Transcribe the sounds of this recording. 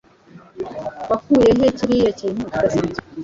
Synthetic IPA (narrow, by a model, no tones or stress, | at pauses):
βakujeɦeciɾijeciːn̥uasiz